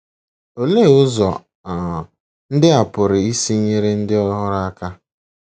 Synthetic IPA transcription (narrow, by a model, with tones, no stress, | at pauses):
o˨le˦˨ʊ˦zɔ˨ | a˨ | n̩˦dɪ˦a˨pʊ˨ɾɪ˨i˦si˦ɲe˦ɾe˦n̩˦dɪ˦ɔ˦ɦɔ˦ɾa˦a˦ka˦